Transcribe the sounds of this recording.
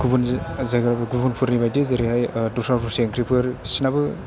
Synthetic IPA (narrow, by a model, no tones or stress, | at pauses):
ɡubunzaɡɯɾabɯɡubunpʰɯɾnibajdezeɾiɦajdusapʰuɾseŋkʰɾipʰɯɾsinabɯ